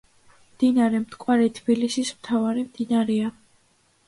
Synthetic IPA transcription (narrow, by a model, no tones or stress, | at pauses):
md̪̥inaɾɛmt̪ʰkʼwaɾɛt̪ʰb̥ilisismt̪ʰavaɾimd̪̥inaɾɛa